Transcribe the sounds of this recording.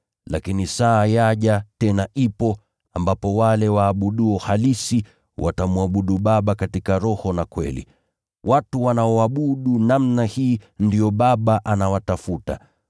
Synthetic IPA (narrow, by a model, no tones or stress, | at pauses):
la̰kinisaːjaʄatɛnaʔipɔ | ambapɔwalɛwaːɓuɗuɔhalisi | wʔa̰tamuaɓuɗuɓaɓakatikaɾɔhɔnakwɛ̰lḭ | wʔatuwanaɔwaɓuɗunamnahiːndijɔɓaɓaʔanawatafuta̰